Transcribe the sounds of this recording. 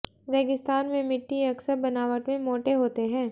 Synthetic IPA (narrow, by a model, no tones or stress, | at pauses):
ɾɛːɡɪst̪aːnmẽmɪʈːiɐksəɾbɐnaːʋəʈmẽmoːʈeɦoːt̪eɦɛ̃ː